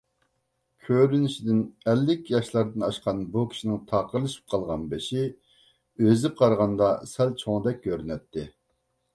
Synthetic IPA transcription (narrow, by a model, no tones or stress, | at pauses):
kʲʰøɾynɪʃid̪ɪnɛlːɪkʲjɑʃlˠɑɾd̪ɨnɑʃqʰɑnbukʲʰi̥ʃinɪŋt̪ʰɑqəɾlˠɨʃi̥p̚qʰɑlˠʁɑnbɪʃi | øzɪp̚qʰɑɾʁɑnd̪ɑsɛlt͡ʃʰoŋd̪ɛk̚ʲkʲøɾnɛt̪ʰːɪ